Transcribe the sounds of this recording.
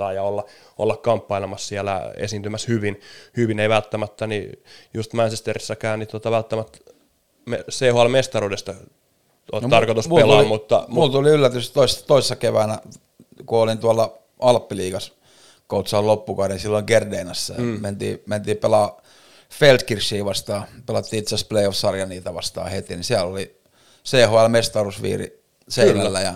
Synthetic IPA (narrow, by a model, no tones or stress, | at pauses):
ɑːjɑolːɑ | o̰lːɑkkɑmpːɑilemɑssiælæ̰ḛsiːnt̪ymæshyʋinhyʋineiʋælt̪ːæmæt̪ːænijust̪mænt͡ʃest̪erisːækæːnnit̪uot̪ɑʋælt̪ːæmæt̪ | mesehoɑlmest̪ɑruːdest̪ɑ | t̪ot̪ɑrkot̪usmelɑːmut̪ːɑ̰mult̪uliylːæt̪ystt̪oist̪oisesːɑkeʋæːnæ | kuolint̪uɑlːɑ | ɑlpːiliːkɑs | kout̪sɑːllopːukɑhɾenisilːoŋkerdeːnɑsːɑjment̪ḭːment̪iːpelɑː | felt̪kirsːiːʋɑst̪ɑːpelɑt̪ːiːit̪sespleiofsɑrjɑniːt̪æʋɑst̪ɑ̰ːhet̪inisiælːoli | seːhoælmest̪ɑrusʋḭːrḭ | seinælːæjɑ